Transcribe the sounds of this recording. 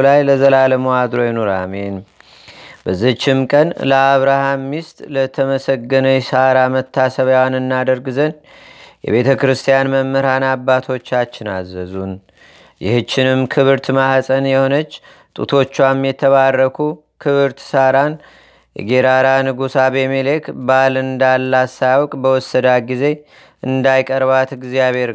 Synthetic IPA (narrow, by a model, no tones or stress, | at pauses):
lajləzəlaləmoad̪ɾo̞jɛnoɾa̰men | bəzːit͡ʃːɪmkʼənləaβɾahamːist̪ʼlət̪ʰəməsəɡːənəjsaɾamət̪ʰːasəβjwanɨnːad̪əɾɡɨzən | jɛ̰βe̞t̪ʰəkɾɨst̪ʰijanməmːəɾanabːat̪ʰo̞t͡ʃːat͡ʃːɪna̰zːəzun | jɪ̰hɨt͡ʃːɪnɨmkʰɨβɨɾt̪mahsʼənjɛho̞nət͡ʃː | t̪ʼṵt̪ʰo̞t͡ʃːwamjɛt̪ʰːəβarːəkʰu | kʰɨβɨɾt̪saɾan | jɛ̰ɡeɾaɾanɨɡusabemelekʰbalɨnd̪alːasajwɔkʼbəwɔsːəd̪aɡize̞ | ɨnd̪ajkʼəɾβat̪ɡzijaβhe̞ɾ